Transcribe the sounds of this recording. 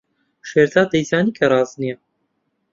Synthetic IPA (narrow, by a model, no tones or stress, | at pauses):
ʃeːɾd̪aːd̪ɛjzɑːniːkʰɛɾˤɑːznijɛ